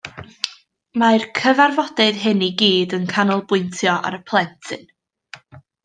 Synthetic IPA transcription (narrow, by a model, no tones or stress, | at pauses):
markʰəvarvɔdɪðɦɪniɡiːdənkʰanɔlˠbʊɨntʰjɔʔa̰ɾəpʰlˠɛntʰɨn